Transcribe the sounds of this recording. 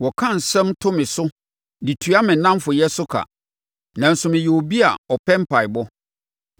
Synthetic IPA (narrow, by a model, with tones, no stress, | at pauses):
wɔ˨kʰã˦˨n̩˨sɛ̃˦mtʰʊ̃˦mɪ̃˨sʊ˦ | di˨tʰu˨a˦mɪ̃˨nːã˦mfʊ˨jɛ˦sʊ˦kʰa̰˨ | nã˨n̩˨sʊ˨mɪ̃˨jɛ˨o˨bi˦a̰˨ɔ˨pʰɛ̃˦m˦pʰa˨ɪ˨bɔ˦